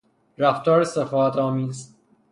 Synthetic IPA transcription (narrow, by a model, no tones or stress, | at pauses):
ɾæft̪ʰɒːɾesefɒːæt̪ʰɒːmiːz